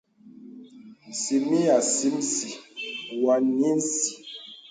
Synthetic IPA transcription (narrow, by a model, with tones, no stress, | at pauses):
n̩˨si˨mi˦ja˨si˦m˦si˨wa˨˦ni˦n̩˦si̥˨